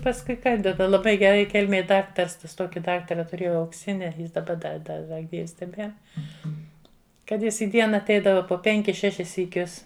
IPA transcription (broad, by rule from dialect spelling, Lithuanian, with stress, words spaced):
pɐsˈkʊɪ ˈkɐn dɐˈbɐ lˠɐˈbɐɪ ɡʲɛˈrɐɪ ˈkʲɛlʲmʲeːj ˈdɑːktɐrs ˈtɐs ˈtoːkʲɪ ˈdɑːktɐrɐ tʊˈrʲeːjɛʊ ɐʊkˈsʲɪnʲɪ ˈjɪs dɐˈbɐ dɐ ˈdɐ dɐ ˈɡʲiːws tʲɛˈbʲiɛr ˈkɐt ˈjɪs iː ˈdʲiɛnɐ ɐtʲˈɛɪdɐʋɐ poː ˈpʲɛŋʲkʲɪs ˈʃʲæːʃʲɪs sʲiːˈkʲʊs